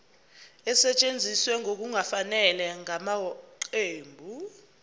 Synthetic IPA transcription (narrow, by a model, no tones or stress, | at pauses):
ɛsɛt͡ʃʼend͡zʱiswɛŋʱok̬uŋafanɛlɛŋamaɔǃeːmbʱu